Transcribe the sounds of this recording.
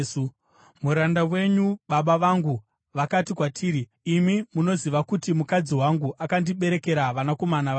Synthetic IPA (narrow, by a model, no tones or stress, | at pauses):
muɾandawe̞ɲuɓaɓaʋaŋɡu | ʋakatikwatʰiːɾiː | mimuno̞ziʋakutimukad͡ziwaŋɡuʔakandiɓe̞ɾe̞ke̞ɾaʋanako̞manaʋa